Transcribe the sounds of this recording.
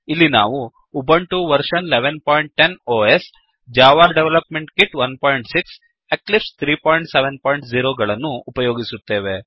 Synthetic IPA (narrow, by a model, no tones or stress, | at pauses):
ilːina̰ːʋuː | bɐɳʈuʋɐɾʂɐnleʋenpoːjɳʈ̚ʈenoːes | d͡ʒaːʋaːɾɖeʋlɐpmeɳʈkiʈʋɐnpoːjiɳʈsiks | eklipst̪ʰɾiːpoːjɳʈseʋenpoːjiɳʈziːɾoːɡɐɭɐnːuːpɐjoːɡisut̪ːe̞ːʋe